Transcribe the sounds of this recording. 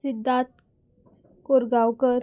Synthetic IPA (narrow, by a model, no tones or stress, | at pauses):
sid̪ːat̪ | koɾɡawkəɾ